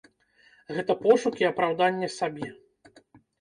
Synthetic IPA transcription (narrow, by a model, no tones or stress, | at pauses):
ɣɛt̪ɐpɔʂukʲiɐpɾawd̪anʲːɛsabʲɛ